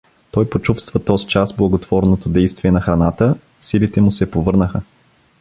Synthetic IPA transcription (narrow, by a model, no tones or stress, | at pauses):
t̪ɔjpot͡ʃufst̪vət̪ɔzit͡ʃasblˠɐɡot̪v̥ɔɾnot̪od̪ɛjst̪viɛnɐxɾɐnat̪ə | silit̪ɛmʊsɛpovɤɾnəxə